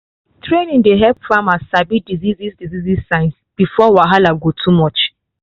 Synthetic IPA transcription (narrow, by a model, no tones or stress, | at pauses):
tʰɹenĩndeɦɛpfɹamasabidizizizdizizisãɪ̃ns | b̥ifɔwaɦalaɡotʰumɔt͡ʃ